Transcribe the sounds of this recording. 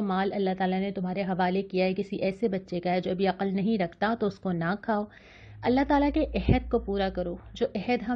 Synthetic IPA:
omaːlɐlːaɦt̪aːlanet̪ʊmɦaːɾeɦɐʋaːlekijaɦɛkɪsiʔɛːsebɐtːʃekaɦɛd͡ʒoːɐbʱiɐqəlnɐɦĩɾɐkʰt̪at̪oʊskonakʰaːoː | ɐlːaɦt̪aːlakeʔɛɦəd̪̚kopuːɾakɐɾoːd͡ʒoːʔɛɦəd̪ɦɐ

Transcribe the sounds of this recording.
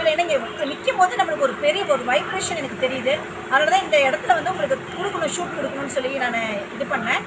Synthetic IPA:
ɪleɛnːɐɪŋɡɐɐmɪkːɯɐmpoːðɯnɐmːɐɭɯkːɔɾɯpɛɾɪjɐɯɔɾɯʋɐɪbɾeːʂɐnɛnɐkːɯt̪ɛɾɪjɐðɯ | ɐðɐaːlɐt̪ãːɪnɡ̪ɐɛɽɐt̪ːɪlɐʋɐnd̪ɯʊŋɡɐɭɯkːɯkʊɽɯkːɐɳõʂuːʈkʊɽɯkːɐnõnːɯsɔlːinaːnɐɪðɯpɐɳːɛ̃ː

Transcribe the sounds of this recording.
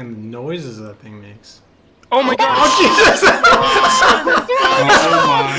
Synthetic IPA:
nðɨnɔɪzɨzðət̪̚θɪ̃ŋmeɪks | oʊmaɪɡɑdaʊ̥d͡ʒizɨs

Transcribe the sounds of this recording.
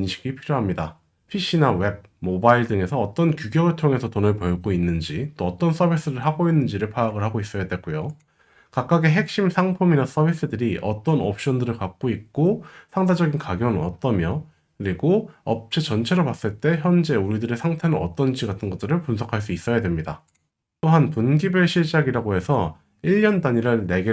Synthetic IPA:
nɕʰi̥ɡipʰiɾjoɦamɲida | pʰiɕ͈inawe̞b̚ | mobaiɭdɯŋe̞sʰʌːt͈ʌnkjuɡjʌɡɯɭtʰoŋe̞sʰʌtonɯɭpʌɭɡoinːɯnd͡ʑit͈oʌt͈ʌns͈ʰʌbʱis͈ɯɾɯɭɦaɡoinːɯnd͡ʑiɾɯɭpʰaːɡɯɭhaɡois͈ʌjadwek͈ujo | kak̚k͈aɡeɦe̞k̚ɕ͈imsʰaŋpʰuminas͈ʌbʱis͈ɯdɯɾiʔʌt͈ʌnʌp̚ɕ͈ʌndɯɾɯɭkak̚k͈oik̚k͈osʰaŋdad͡ʑʌɡinkaɡjʌnʌ̰t͈ʌmjʌ | kɯɾiɡoʌp̚t͡ɕ͈et͡ɕʌnt͡ɕʰe̞ɾopas͈ɯɭt͈e̞çjʌnd͡ʑe̞uɾidɯɾe̞sʰaŋtʰe̞nɯnʌ̰t͈ʌnd͡ʑiɡatʰɯnɡʌt͈ɯɾɯɭpunsʰʌkʰaɭs̬͈uis͈ʌjadwe̞mɲida | t͈oɦanpunɡibɯɭɕʰiɭd͡ʑaɡiɾaɡoɦe̞sʰʌ | iʎjʌndaɲiɾɯɭne̞ɡe

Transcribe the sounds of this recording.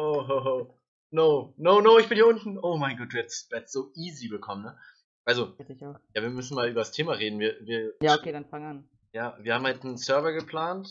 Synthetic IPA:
ʔoːɦoɦoː | noːnoːnoːɪçb̥ɪnhiɐʊntn̩ʔoːmaɪnɡɔːtv̥ɛɐtsv̥ɛːɐtz̥oːʔiːzibəkʰɔmənə | ʔalzotɪçjaːviːɐmʏsn̩maːlʔyːbɐɾastʰeːmaʁeːdn̩viːɐviːɐjaːokeːdanfaŋan | jaːviːɐhaːmhaltnəsœɐvɐɡəpʰl̥aːnt

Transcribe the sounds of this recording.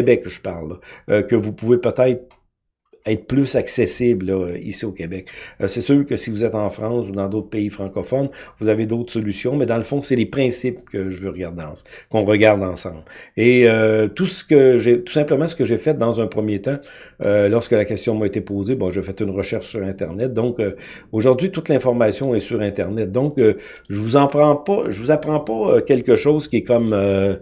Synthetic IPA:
bɛkʒə̥paʁlːɔkəvupuvepət̪ɛɪt̪χ | ɛɪt̪χəplʏsaksesɪblɔḭsiokʲebɛk̚sɛsøːʁkəsivuzɛt̪ɑ̃fʁɑ̃sud̪ɑ̃d̪oʊt̪χpeifʁɑ̃kɔfɔnvuzaved̪ɔʊt̪χsɔlysjɔ̃mɛd̪ɑ̃ləfɔ̃sɛlepʁɛ̃sɪpkəʒəvøʁɡaʁd̪ɑ̰̃skɔ̃ʁəɡaʁd̪ɑ̃ːsɑ̃ːbleøt̪usə̥kəʒet̪u̥sɛ̃pləmãsə̥kəʒefɛt̪̚d̪ãzœ̃pʁəmjet̪ã | ølɔʁskəlakʲɛst̪jɔ̃maet̪epoːzebɔ̃ʒefɛt̪ynʁəʃɛʁʃsyʁɛ̃t̪ɛ̰ʁnɛt̪̚d̪ɔ̃kø | oʒʊʁdzɥit̪ut̪lɛ̃fɔʁmasjɔ̃ɛsyʁɛ̃t̪ɛʁnɛt̪̚d̪ɔ̃kə | ʒəvuzɑ̃pʁɑ̃pɔʒəvuzapʁɑ̃pɔøkʲɛlkəʃɔːzkʲiɛkɔmø

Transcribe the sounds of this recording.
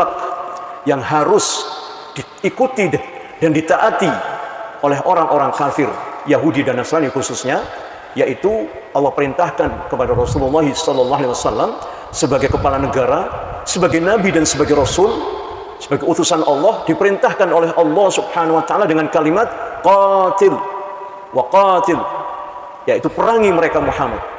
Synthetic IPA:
ak̚jaŋɦaɾʊs | diːkut̪i | d̥andit̪aʔat̪iʔolɛɦoɾaŋʔoɾaŋkafɪrjaɦudidanaslanikususɲa | jaʔit̪u | ʔɑlːɑhpəɾint̪ahkankəpadaɾɔsululːɑɦisɔlɔlˠːɔɦaliwasalːam | səbaɡajkəpalanəɡaɾasəbaɡajnabidansəbaɡajɾɔsʊl | səbaɡajut̪usanʔɑlːɔhdipəɾint̪ahkanolɛɦʔɑlːɑhsubhanawat̪aʔaladəŋankalimat̪̚qɑt̪ɪl | waqɑt̪ɪl | jait̪upəɾaŋiməɾekamuħamat̪̚

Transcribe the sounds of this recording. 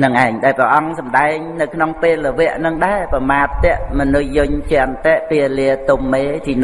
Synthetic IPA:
nɨŋʔaɛŋɗaɛprɛʔɑŋsɑmɗaɛŋnɨwkʰnoŋpeːlːəʋɛ̆əʔnɨŋɗaɛpɑmaːt̪ːɛ̆əʔmɔnɨːʊɲʰt͡ɕɛ̆ənt̪ɛʔpiəliət̪omːeːt̪ʰiːn

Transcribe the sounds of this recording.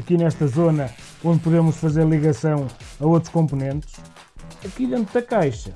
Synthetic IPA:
ɐkinɛʃt̪ɐzonɐ | õnd̪̚puðemʊʃfɐzeɾlˠiɣɐsɐ̃w̃ɐot̪ɾu̥ʃkõmpunẽnt̪ɨʃ | ɐkiðẽnt̪ɾðɐkajʃɐ

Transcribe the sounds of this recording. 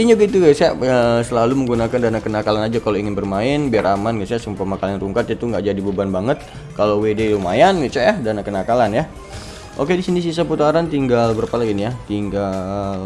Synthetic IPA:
iɲaɡit̪uɡasaʔəsəlaluməŋɡunakandanakənakalanad͡ʒakaloiŋɪnbərmaɪnbiaramanɡasjaʔsumpamakalanruŋkat̪̚jat̪uŋɡaʔd͡ʒadibəbanbaŋət̪̚ | kalowedeilumajanɡit͡ʃaadanakənakalanja | ʔokedisinis̬is̬aput̪aɾant̪iŋɡalbərpalaɡinijat̪iŋɡal

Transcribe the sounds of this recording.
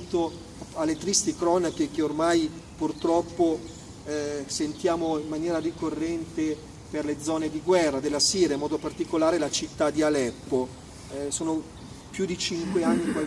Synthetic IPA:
t̪o | alːet̪ɾist̪ikɾɔːnak̟ek̟eormajpurt̪ɾɔpːo | sent̪jaːmoimːanjɛːɾarikorːɛnt̪e | perled̪zɔːned̪iɡwɛrːad̪elːasiːɾjaimɔːd̪opart̪ikolaːɾelat͡ʃit̪ːad̪ialɛpːo | soːno | pjud̪it͡ʃiŋkweanːikwa

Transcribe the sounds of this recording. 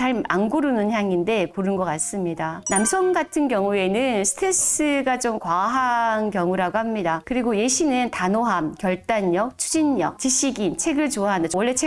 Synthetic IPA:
t͡ɕaɾa̰nɡuɾunɯnçjaŋinde̞poɾɯnɡʌk͈as͈ɯmɲidanamsʰʌŋɡatʰɯnkjʌŋue̞nɯnsʰɯ̥tʰes͈ɯɡat͡ɕomkwaɦaŋkjʌŋuɾaɡoɦamɲidakɯɾiɡoje̞ɕʰinɯntanoɦamkjʌɭt͈aɲjʌk̚t͡ɕʰud͡ʑinːʌk̚t͡ɕiɕʰiɡint͡ɕʰe̞ɡɯɭt͡ɕoaɦandawʌɭːe̞t͡ɕʰe

